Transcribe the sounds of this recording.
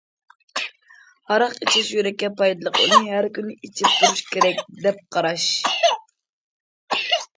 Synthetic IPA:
hɑɾɑqit͡ʃʰɪʃjøɾɛkʲːɛpɑjd̪ɨlˠəqṵnɨɦæɾkʲynɪʔit͡ʃʰip̚t̪ʰuɾuʃkʲeɾɛk̚ʲd̪ɛp̚qʰɑɾɑʃ

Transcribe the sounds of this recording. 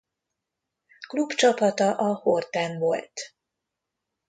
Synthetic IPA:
klubt͡ʃɒpɒt̪ɒʔɒhort̪aːnvolt̪

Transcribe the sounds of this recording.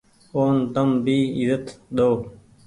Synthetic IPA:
oːnd̪əmbiːizət̪ɗ̪oː

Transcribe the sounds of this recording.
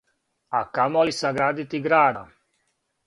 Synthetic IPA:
akamolisaɡɾaːd̪it̪iɡɾaːd̪a

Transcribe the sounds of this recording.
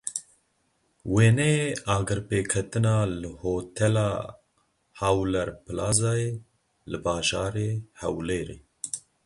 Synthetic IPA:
weːnɛeɑːɡɨɾpeːkʰɛt̪ɨnɑːlɨhoːt̪ʰɛlɑː | hawlɛɾpɨlaːzaːeː | lɨbɑːʒɑːɾeːhɛwleːɾḛː

